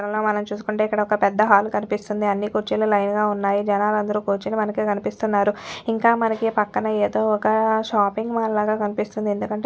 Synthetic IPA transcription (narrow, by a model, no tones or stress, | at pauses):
ɾɐloːmɐnɐmt͡ʃuːsu̥kuɳʈe̞ːikːɐɽɐɔkɐpɛd̪ːɐɦaːlkɐnipist̪und̪iɐnːikuːɾt͡ʃiːlɐlɐjnɡaːunːaːjid͡ʒɛnaːlɐnd̪ɐɾuːkuːɾt͡ʃinimɐnɐkikɐnipist̪unːaːɾuiŋkaːmɐnɐkipɐkːɐnɐeːd̪o̞ːɔkɐʃaːpiŋɡmaːllaːɡaːkɐnipist̪und̪ie̞nd̪ukɐɳʈe